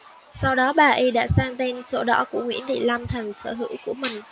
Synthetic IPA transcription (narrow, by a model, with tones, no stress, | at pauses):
sa˧wɗɔ˨˦ɓaː˨˩ʔi˧ɗa̰ː˧˥saː˧ŋt̪e˧nso̰˧˦ɗɔ̰˧˥ku˧˩əŋwḭ˧˥ənɗḭ˧˩la˧mt̪ʰa˨˩jŋ̟səː˧˩ɦɨ̰˧˥wku˧˩əmï˨˩ŋ̟